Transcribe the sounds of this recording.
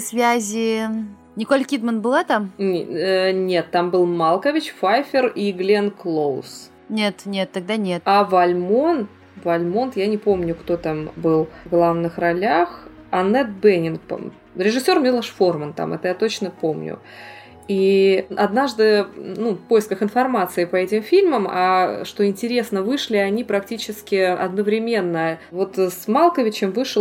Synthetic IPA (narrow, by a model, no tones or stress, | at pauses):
svʲæzʲɪ | nʲɪkolʲkʲid̪mənbɨlˠat̪amʲ | nʲe̞t̪ːambɨlˠmalˠkəvʲɪt͡ɕfajfʲɪriɡlʲenklˠos | nʲe̞t̪nʲe̞t̪ːɐɡ̚d̪anʲet̪avɐlʲmo̞n | vɐlʲmo̞nt̪janʲɪpo̞mnʲʊkt̪o̞t̪ambɨlˠvɡlˠavnɨxrɐlʲax | ɐnɛt̪̚bɛnʲɪnp | ɾʲɪʐɨsʲːo̞rmʲilˠəʂfo̞rmənt̪a̰mʔɛ̰t̪əjat̪o̞t͡ɕnəpomnʲʊ̰ | iʔɐd̪naʐd̪ɨnufpo̞jɪskəxɪnfɐrmat̪sɨɪpəɛtʲɪmfʲilʲməma̰ʂt̪o̞ɪnʲtʲɪɾʲe̞snəvɨʂlʲɪɐnʲipɾɐktʲit͡ɕɪskʲɪɐ̰d̪nəvɾʲɪmʲe̞nːəvo̞t̪smalˠkəvʲɪt͡ɕɪmvɨʂɨ